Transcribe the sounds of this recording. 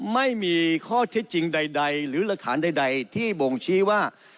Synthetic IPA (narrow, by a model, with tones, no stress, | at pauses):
ma˥˩jmiː˧kʰɔː˥˩t̪ʰe˦˥t̪̚t͡ɕi˧ŋda˧jda˧jɾɯː˩˦la˧˥k̪ʰːa̰ː˩˦nda˧jda˧jt̪ʰiː˥˩bo˧ŋt͡ɕʰiː˦˥˩waː˥˩